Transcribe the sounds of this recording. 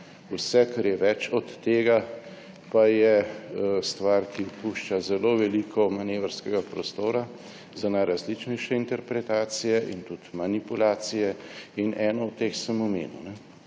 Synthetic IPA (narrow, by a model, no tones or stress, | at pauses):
usɛkaɾjɛʋɛt͡ʃɔt̪ːeːɡa | pajɛ | st̪ʋaɾkipuʃt͡ʃazɛloʋɛlikʰɔmaneːʋəɾskɛɡapɾɔst̪oːɾa | zanajɾazlit͡ʃnɛjʃɛint̪ɛɾpɾɛt̪aːt̪sijɛʔint̪ut̪manipulaːt̪sijɛinʔɛːnɔɔt̪t̪ːeːxsəmɔmḛːnṵnɛ